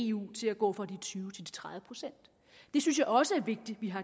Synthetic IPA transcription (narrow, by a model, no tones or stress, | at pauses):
ṵːt͡sʰe̝læɡ̥ɔ̰̽ːfʁɑ̈d̥it͡sʰyːʊt͡sʰe̝ld̥i̥t͡sʰʁäððˠəpʰʁo̝̥sen̰d̥ | e̝syns̬jɑ̈ɪɒ̽səæɐʋe̝ɡ̥̚d̥iʋiɦɑ̈